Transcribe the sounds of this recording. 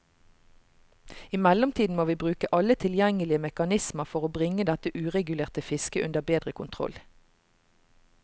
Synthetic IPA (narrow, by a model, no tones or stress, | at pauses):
iːmɛlɔmt̪ʰiːd̪n̩moːʋiːbʁʉːkəʔɑlət̪ʰɪljɛŋəlɪəmɛkɑnɪsməʁfɔʁoːbʁɪŋəd̪ɛt̪əʔʉːʁɛɡʉleːʁt̪əfɪskəʔʉnd̪əbeːd̪ʁəkʰʊnt̪ʰʁɔ̰l